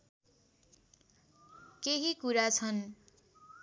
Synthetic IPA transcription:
keɦikuɾat͡sʰʌn

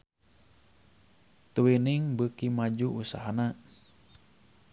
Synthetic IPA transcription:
t̪uwiniŋbəkimad͡ʒuʔusa̰ɦana

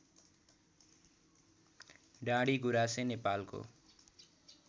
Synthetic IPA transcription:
ɖãɽiɡuɾasenepalko̰

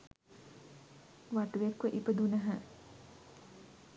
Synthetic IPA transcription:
ʋat̪uʋekʋəʔipəd̪unəɦə

